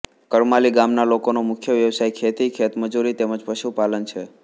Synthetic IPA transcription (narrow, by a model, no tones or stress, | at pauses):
kəɾmaliɡamnalokonomʊkʰjəʋjəʋsajkʰet̪ikʰet̪məd͡ʒuɾit̪eməd͡ʒpəʃupalənt͡ʃʰe